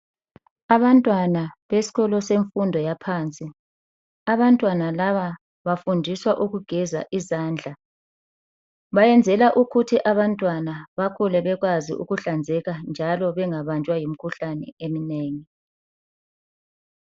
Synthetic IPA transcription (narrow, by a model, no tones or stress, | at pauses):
aβantʼwanaβesi̥ɣɔlɔseɱfundʱɔjapʰaːnt͡sʼi | aβantʼwanalaβa | βafundʱiswaʔuɣuɡ̥ʱɛza̰ʔizaːnd͡ɮʱa | βajɛnd͡zʱɛlaʔuɣutʰiʔaβantʼwanaβakʰulɛβɛɣwazḭʔṵɣuɬand͡zʱɛɣand͡ʒʱalɔβɛŋaβant͡ʃʼwajim̩kʰuɬanɛ̰emineːŋi